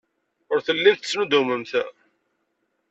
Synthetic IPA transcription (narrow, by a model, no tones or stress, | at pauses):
ʊɾθəlːimθt͡sːnud̪uməmθæ